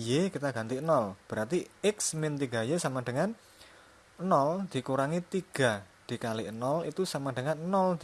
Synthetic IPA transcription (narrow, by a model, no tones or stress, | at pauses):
jekit̪aɡ̥a̤nt̪inɔlb̥əɾart̪iɪksmɪnt̪iɡa̤jesamaɖ̥əŋan | nɔld̪̥i̤kuɾaŋit̪iɡ̥a̤ | d̪̥i̤kaliʔnɔlḭt̪usamaɖ̥əŋannɔld̪